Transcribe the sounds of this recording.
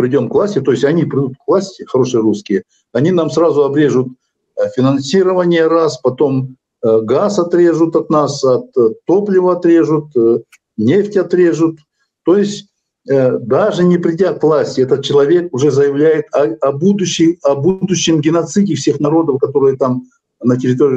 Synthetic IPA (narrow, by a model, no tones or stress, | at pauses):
pɾʲɪdʲo̞mkvlˠasʲtʲɪt̪o̞jɪsʲɐnʲipɾʲɪd̪ut̪kvlˠasʲtʲɪxɐɾo̞ʂɨjəɾuskʲɪjə | ɐnʲinamsrazʊɐbɾʲe̞ʐʊt̪̚ | fʲɪnɐnsʲiɾəvənʲɪjəɾaspɐt̪o̞m | ɡasɐt̪ɾʲe̞ʐʊt̪ɐt̪nasɐt̪t̪ːo̞plʲɪvəɐt̪ɾʲe̞ʐʊt̪ | nʲeftʲɐt̪ɾʲe̞ʐʊt̪ː | o̞jɪsʲ | d̪aʐɨnʲɪpɾʲɪdʲat̪vlˠasʲtʲɪɛt̪ət̪̚t͡ɕɪlˠɐvʲe̞kʊʐɛzəjɪvlʲæjɪt̪ɐɐbud̪ʊɕːɪɐbud̪ʊɕːɪmɡʲɪnɐt̪sɨdʲɪfsʲe̞xnɐɾo̞d̪əfkɐt̪o̞ɾɨjət̪am | nətʲɪɾʲɪt̪o̞ɾʲɪ